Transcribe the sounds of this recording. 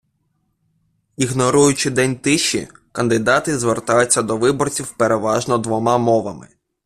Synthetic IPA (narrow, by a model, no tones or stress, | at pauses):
iɣnɔɾujʊt͡ʃɪd̪ɛnʲt̪ɪʃḭkɐnd̪ɪd̪ɑt̪ɪzʋert̪ɑjʊt͡sʲːɐd̪ɔʋɪbɔrt͡sʲiwpeɾeʋɑʒnɔd̪ʋɔmɑmɔʋɐmɪ̰